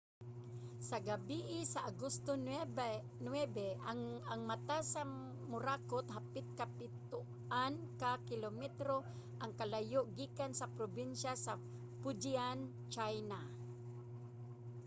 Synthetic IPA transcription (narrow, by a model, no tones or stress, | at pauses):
saɡabiʔɪsaʔaɡʊst̪o | nwɛbɛaŋmat̪asa | mʊɾaːkʊt̪ɦapɪt̪̚kapɪt̪ʊ | ʔankakɪlomɛt̪ɾo | ʔaŋkalajʊʔɡiːkansapɾobinʃasa | pʊd͡ʒian | t͡ʃajna